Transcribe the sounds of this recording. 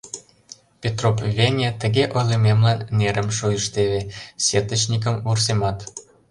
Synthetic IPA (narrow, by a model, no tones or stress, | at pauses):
pʲet̪ropvʲenʲet̪ə̆ɣeʔojlɤmemlɑnːeɾʔə̆mʃujə̆ʃt̪eβesʲet̪ə̆t͡ɕnʲik̬ə̆mvursemɑt̪